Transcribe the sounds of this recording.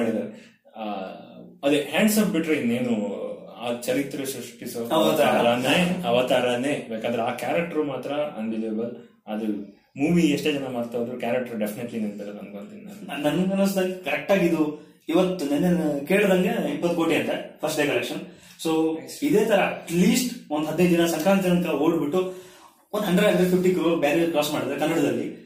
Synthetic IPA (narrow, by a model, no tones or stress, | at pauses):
aɽid̪aːɾe | ɐd̪ehaːɳɖsɐpbiʈɾeinːeːnua̰ːt͡ʃɐɾit̪ːɾɐʃɾuʂʈisoɐʋt̪aɾɐneɐʋɐt̪aːɾɐneːbeːkaːnd̪ɾeaːkaːɾɐk̚ʈɐɾumaːt̪ɾɐɐ̰nʋid͡ʒeːbɐl | ɐd̪u | muːʋieʂʈe̞ːd͡ʒɐnɐmaːɖt̪ajɐnd̪ɾukjaːɾɐk̚ʈɐɾuɖepʰineʈlinint̪ɐlɐt̪ɐnd̪koɳt̪innannɐnɐnɐnɐnsd̪ɐlːikɐɾek̚ʈaːɡid̪u | iʋɐt̪ːunɐnːekeːɭd̪ɐŋɡeempɐt̪̚koːʈiɐnt̪ɐpʰɐɾsʈɖeːkɐlekʂɐn | soːid̪eːt̪ʰɐɾɐɐʈliːsʈond̪ɦɐd̪nej̪d͡ʒ̪inɐsɐŋkɾaːnt͡ʃ̪ɐɾɐnt̪ʰɐlɐoːɖbiʈːu | ond̪ɦɐɳɖɾɖɐlʋɐpʰipʈikɾubaːɾiɐɾkɾoːsmaːɽid̪aɾekɐnːɐɽɐd̪ɐlːi